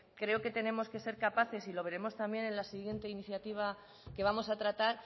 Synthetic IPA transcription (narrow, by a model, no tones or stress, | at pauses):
kɾe̞oke̞t̪e̞ne̞mo̞ske̞se̞ɾkapaθe̞silo̞β̞e̞ɾe̞mo̞st̪ambje̞ne̞nlasiɣje̞nt̪e̞iniθjat̪iβ̞a | ke̞βamo̞sat̪ɾat̪aɾ